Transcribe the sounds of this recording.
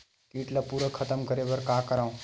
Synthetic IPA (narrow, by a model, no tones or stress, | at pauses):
kiːʈlapuːɾəkʰət̪əmkəɾeʋəɾkaːkəɾãːũ